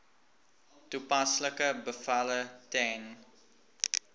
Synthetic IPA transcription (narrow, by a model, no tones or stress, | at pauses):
tupasləkəbəfalətɛn